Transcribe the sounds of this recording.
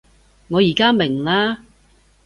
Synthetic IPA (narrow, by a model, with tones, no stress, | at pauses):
ŋɔː˨˧jiː˨˩kaː˥mɪ˨˩ŋlaː˥